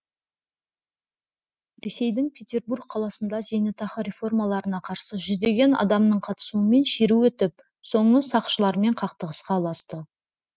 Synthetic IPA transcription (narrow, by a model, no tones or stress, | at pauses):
ɾʲe̞se̞jd̪ɪŋpʲʰe̞tʲe̞rburɡ̚qʰːɑlˠɑsənd̪ɑze̞nɪt̪ʰɑχəɾʲe̞fo̞rmɑlˠɑɾənɑqʰɑɾsəʒʏzd̪e̞ɡʲe̞nɑ̰d̪ɑmnəɴqʰɑt̪ə̥suəme̞nʃeɾuwɵt̪ɪp̚ | so̞ɴəsɑqʃəlˠɑɾme̞ɴqʰɑqt̪əʁəsqɑwlˠɑst̪ə